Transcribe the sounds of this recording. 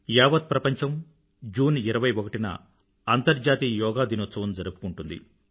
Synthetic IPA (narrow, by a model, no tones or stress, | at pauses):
jaːʋɐd̪̚pɾɐpɐɲt͡ʃɐm | d͡ʒuːniɾɐʋɐjɔkɐʈinɐ̰ | ɐnt̪ɐɾd͡ʒaːt̪iːjɔːɡaːd̪inut̪sɐʋɐnd͡ʒɐɾupu̥kuɳʈund̪ḭ